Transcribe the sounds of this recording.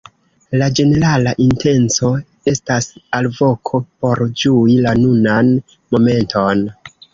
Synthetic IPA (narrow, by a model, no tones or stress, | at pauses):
lad͡ʒe̞ne̞ɾalaʔinte̞nt͡so̞ | e̞stasalvo̞kʰo̞po̞ɾd͡ʒuilanunan | mo̞me̞ntʰo̞n